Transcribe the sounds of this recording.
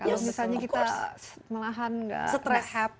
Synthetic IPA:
kalomisalɲakit̪aməlaɦanŋɡa̰sət̪ɾɛhɛp̚

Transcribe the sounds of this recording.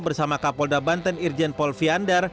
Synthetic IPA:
bərsamakapɔldabant̪ɛnird͡ʒɛnpɔlfiandər

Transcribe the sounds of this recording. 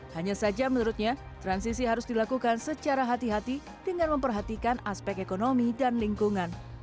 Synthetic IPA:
haɲasad͡ʒamənuɾʊt̪̚ɲat̪ɾansisiɦaɾʊsdilakukansət͡ʃaɾaɦat̪iɦat̪i | dəŋanməmpərɦat̪ikanaspɛk̚ekonomidanliŋkuŋan

